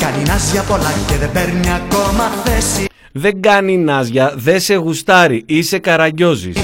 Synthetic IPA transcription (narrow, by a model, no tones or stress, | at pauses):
kɐninazʝɐpo̞lɐceðebeɾniako̞mɐθesi | ðe̞ŋɡɐninɐzʝɐðe̞se̞ɣust̪ɐɾiise̞kɐɾɐʝo̞zḭs